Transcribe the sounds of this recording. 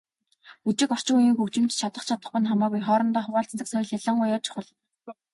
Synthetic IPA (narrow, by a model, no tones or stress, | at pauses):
ut͡ɕɪ̆kɔr̥t͡ɕɪ̆ujiːŋxuwt͡ɕɪ̆mt͡ɕt͡ɕʰat̪ə̆χt͡ɕʰat̪ə̆χpʊ̆nχamaːɣujχɔːɾɞ̆nt̪ɔːχʊwaːɬt͡st̪ə̆ksɔj̆ɮaɮə̆ŋɢʊjɔːt͡ɕʰʊ̥χə̆ɮ